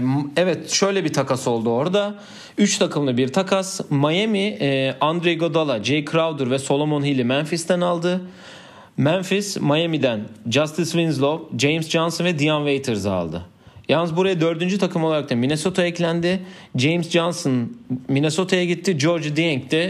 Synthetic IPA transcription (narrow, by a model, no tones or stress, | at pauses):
ɛvɛt̪ʃø̞jlʲɛbit̪ʰakaso̞lˠd̪uo̞ɾd̪a | yt͡ʃt̪ʰakʰɯmlˠɯbiɾt̪ʰakʰasmajemiand̪ɾejɡod̪alˠad͡ʒejkʰɾavd̪ɯɾvɛso̞lˠo̞monɦilʲimænfist̪ænalˠd̪ɯ | mænfismajamid̪ænd͡ʒast̪ʰɯsvinzlˠovd͡ʒejmsd͡ʒansonvɛd̪ijanvejt̪ʰeɾzaa̰lˠd̪ɯ̰ | janːɯzbuɾajad̪ø̞ɾd̪ynd͡ʒyt̪ʰakʰɯmolˠaɾakt̪ʰamineso̞t̪ʰaɛclʲænd̪ɪ | d͡ʒejmsd͡ʒansnmine̞so̞t̪ʰajaɟit̪ʰːid͡ʒo̞ɾd͡ʒd̪ijɛŋkt̪ɛ